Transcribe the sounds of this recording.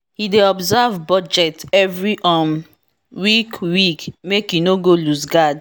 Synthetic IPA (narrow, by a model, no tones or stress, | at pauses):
hideɔbzavbɔd͡ʒɛtɛvɹiʔɔ̃m | wikwikmekjinoɡolusɡad